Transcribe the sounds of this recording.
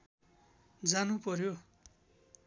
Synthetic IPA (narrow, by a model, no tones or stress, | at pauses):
d͡zanupʌɾjo